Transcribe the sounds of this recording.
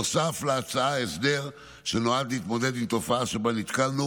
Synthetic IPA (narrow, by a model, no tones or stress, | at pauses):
safleat͡saaesd̪e̞ʁ | ʃenoad̪liːt̪mo̞ded̪imt̪o̞faaʃebanit̪kalnu